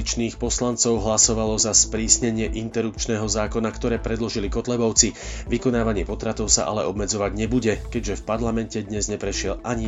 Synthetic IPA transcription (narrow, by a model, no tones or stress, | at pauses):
it͡ʃniːxpɔslant͡sɔʊɦlasɔʋalɔzaspɾiːsɲɛɲɪɛʔint̪ɛɾupt͡ʃnɛːɦɔzaːkɔnakt̪ɔɾɛːpɾɛd̪lɔʒilikɔt̪lɛbɔʊt͡siʋikɔnaːʋaɲɪɛpɔt̪ɾat̪ɔʊsa̰ʔa̰lɛʔɔbmɛd͡zɔʋaɟɲɛbuɟɛkɛɟʒɛfpaɾlamɛncɛd̪ɲɛzɲɛpɾɛʃɪɛlʔaɲi